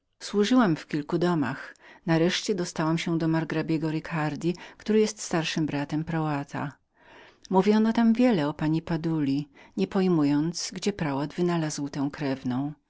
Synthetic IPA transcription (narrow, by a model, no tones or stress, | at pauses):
swuʐɘwamfkʲilkud̪ɔma̰xnaɾɛʂt͡ɕɛd̪ɔst̪awamɕɛd̪ɔmaɾɡɾabʲjɛɡɔɾɘkʰaɾd̪ʲikt̪uɾɘjɛst̪st̪aɾʂɘmbɾat̪ɛmpɾawat̪ʰa̰ | muvʲjɔnɔt̪amvʲjɛlɛɔpaɲipad̪ulʲiɲɛpɔjmujɔnt̪sɡd͡ʑɛpɾawad̪vɘnalazwt̪ɛ̃w̃kɾɛvnɔ̃w̃